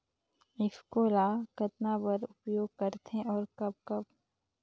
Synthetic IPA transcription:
ɪfkoːlaːkət̪nabəɾʊpjoːɡ̚kəɾt̪ẽʔɔːɾkɐb̚kɐb̚

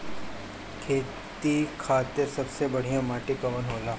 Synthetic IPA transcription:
kʰeː | t̪ikʰaːt̪ɪɾsɐbsebɐɽ̤ijãmaːʈɪkɐʋənɦoːlaː

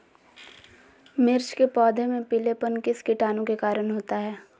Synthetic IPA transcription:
mɪɾt͡ʃkepɔːd̪ʱemẽpɪlepənkɪskɪʈaːnõkekaːɾənɦoːt̪aɦɛː

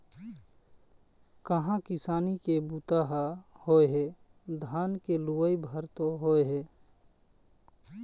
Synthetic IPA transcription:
kəɦãkɪsaːnikebut̪aɦahoeɦe | d̪ʱaːnkeluʋəjbʱəɾt̪oɦoeɦɛː

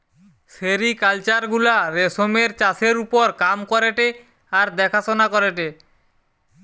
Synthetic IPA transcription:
seɾikalt͡ɕaɾɡulaɾesomeɾt͡ɕaseɾupoɾkamkɔɾeʈe | aɾd̪ɛkʰasonakɔɾeʈe

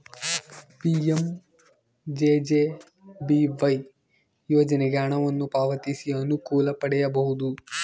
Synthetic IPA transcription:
piːem | d͡ʒed͡ʒeː | biʋɐj | joːd͡ʒɐneɡaːɳɐʋɐnːupaːʋɐt̪isiɐnukuːlɐpɐɽɛjɐbɐɦud̪u

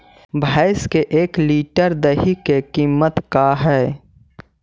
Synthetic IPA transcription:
bʱaːɪskeʔeːkliːʈəɾd̪əɦikekiːmːət̪kaɦɛː

